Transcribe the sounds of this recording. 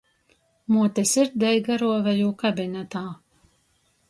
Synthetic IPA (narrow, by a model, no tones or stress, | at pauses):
muɔt̪ɛsiɾd̪ɛjɡaɾuɔvɛjuːkabʲinʲɛt̪aː